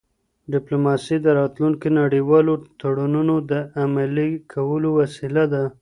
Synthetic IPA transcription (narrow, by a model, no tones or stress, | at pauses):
ɖɪplomɑsid̪əɾɑt̪luŋkinaɽiwɑlot̪aɽununod̪əamalikʰawəlowasilad̪a